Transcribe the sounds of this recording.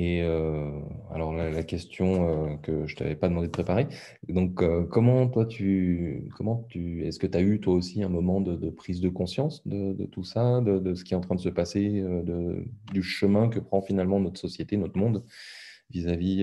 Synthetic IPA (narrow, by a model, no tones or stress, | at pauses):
eø | a̰lɔʁlalakʲɛst̪jɔ̃økəʒət̪a̰vɛpad̪əmɑ̃d̪ed̪əpχepaʁe | d̪ɔ̃køkːɔmɑ̃t̪wat̪ʰykʰɔmɑ̃t̪yɛskət̪ayt̪waosiɛ̃mɔmɑ̃d̪əd̪əpχizd̪əkɔ̃sjɑ̃sd̪əd̪ə̰t̪usad̪əd̪əsə̥kʲiɛɑ̃t̪χɛ̃d̪əsəpaseød̪əd̪yʃəmɛ̃k̬əpχɑ̃finalmɑ̃nɔt̪χəsɔsjet̪enɔt̪χmɔ̃d̪ | vizavi